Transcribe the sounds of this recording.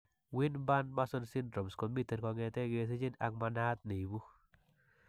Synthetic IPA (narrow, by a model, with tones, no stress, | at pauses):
wɪ˦nba˦nma˦sɔ˦nsɪ˦ndɾɔ˨mskɔ˨mi˦te˨ɾkɔ˧ŋɛ˨tɛ˦ɡe˨s̬e˦t͡ʃɪ˦na̰˨ŋma˧na˦t̪̚ne˨bu˦